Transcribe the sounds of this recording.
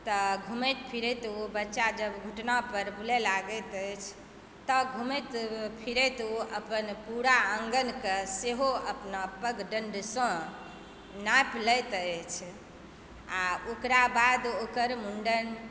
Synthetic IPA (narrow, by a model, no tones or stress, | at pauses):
t̪ɔɡʱumət̪pʰiɾɛt̪obətːʃad͡ʒəbɡʱuʈnapəɾbulelaɡət̪əjt͡ʃʰ | t̪ɔɡʱumət̪pʰiɾet̪oəpənpuɾaəŋɡənkeseɦoəpnapəɡɖəɳɖsɔ̃ | napləjt̪ət͡ʃʰ | aokɾabad̪okəɾmuɳɖən